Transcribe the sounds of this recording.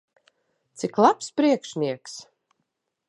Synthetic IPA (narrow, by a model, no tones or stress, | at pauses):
t̪siklˠapspɾiɛkʃnʲiɛks